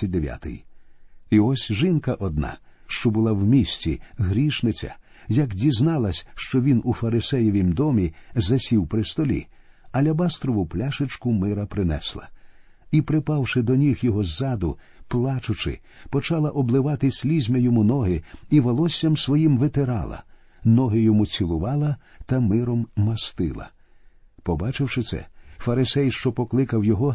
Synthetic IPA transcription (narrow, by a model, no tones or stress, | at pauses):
d̪eʋʲja̰t̪ɪ̰j | iɔsʲʒɪnkɐʔɔd̪nɑ̰ʃt͡ʃɔbʊlˠawmʲisʲtʲiɦɾʲiʃnɪt͡sʲɐ̰ | jɐkdʲiznɑlˠɐsʲʃt͡ʃɔʋʲinufɐɾɪsɛjɔʋʲimd̪ɔmʲizɐsʲiwpɾɪst̪ɔlʲḭ | ɐlʲɐbast̪ɾɔʋʊplʲaʃɪt͡ʃkʊmɪɾɐpɾɪnɛ̰slˠɐ̰ | ipɾɪpɑwʃɪd̪ɔnʲixjɔɦɔzːɑd̪ʊ | plˠɑt͡ʃʊt͡ʃɪ̰ | pɔt͡ʃɑlˠɐʔɔblˠɪʋɑt̪ɪsʲlʲizʲmʲɛjɔmunɔɦɪiʋɔlˠɔsʲːɐmsʋɔjimʋet̪eɾɑ̰lˠɐ̰ | nɔɦɪjɔmut͡sʲilˠʊʋɑlˠɐt̪ɐmɪɾɔmːɐst̪ɪ̰lˠɐ̰ | pɔbɑt͡ʃɪwʃɪt̪sɛ̰fɐɾɪsɛjʃt͡ʃɔpɔklˠɪkɐwjɔɦɔ